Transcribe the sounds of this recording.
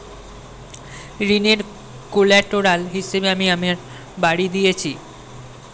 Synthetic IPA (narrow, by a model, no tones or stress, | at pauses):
ɾineɾ | kolɛʈoɾalɦiʃebeamiameɾ | baɽid̪ijet͡ɕʰi